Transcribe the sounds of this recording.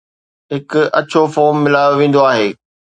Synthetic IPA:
ɦɪkɐt͡ɕʰofɔːɾmːɪlaːjoʋẽːn̆d̪oaːɦeː

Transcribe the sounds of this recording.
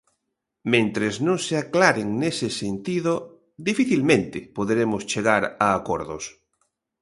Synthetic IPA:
mẽnt̪ɾeznõŋseaklaɾeŋnesesent̪iðo | d̪ifiθilmẽnt̪epoðɾemost͡ʃeɣ̞aɾaːkoɾðo̰s

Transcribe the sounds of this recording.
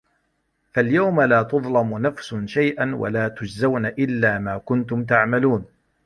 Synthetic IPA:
faljawmalaːt̪ʊðˤlɑmʊnafsʊnʃajʔanwa̰laːt̪ʊd͡ʒzawnaʔɪlːaːmaːkʊnt̪ʊmt̪̬aʕmaluːn

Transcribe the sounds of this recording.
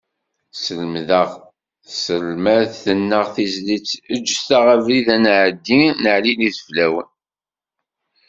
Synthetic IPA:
səlmðəʁ | səlmæðθənːəʁθizlit͡sːəd͡ʒːst̪aʁavliðænʕəd̪ːinəʕliliθə̥flæwə̰n

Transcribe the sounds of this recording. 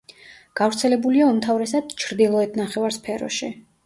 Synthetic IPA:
ɡ̥avɾt̪sʰɛlɛbuliaumt̪ʰavɾɛsad̪̥t͡ʃʰɾd̪ilˠɔɛt̪ʰnaχɛvaɾspʰɛɾɔ̰ʃi

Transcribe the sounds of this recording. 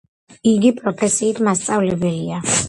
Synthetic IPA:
iɡipʼɾɔpʰɛsiːt̪ʰmast̪sʼavlɛbɛlia

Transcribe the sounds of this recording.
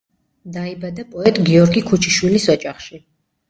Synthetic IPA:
d̪aibad̪apʼɔɛt̪ʼɡiɔɾɡikʰut͡ʃʰiʃwilisɔt͡ʃʼaχʃi

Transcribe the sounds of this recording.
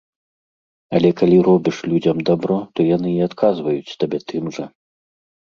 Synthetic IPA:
ɐlʲɛkalʲiɾɔbʲiʂlʲud͡zʲɐmd̪abɾɔt̪ɔjanɨiat̪kʰazvɐjut͡sʲt̪abʲɛt̪ɨmʐɐ

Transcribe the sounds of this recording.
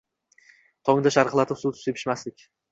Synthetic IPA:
t̪ʰɒŋd̪aʃaɾqlˠat̪ʰɪpsut̪ʰʊ̥sepʰɪ̥ʃmaslɪkʲ

